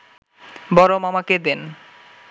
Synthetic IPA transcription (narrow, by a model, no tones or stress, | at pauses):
bɔɾomamaked̪en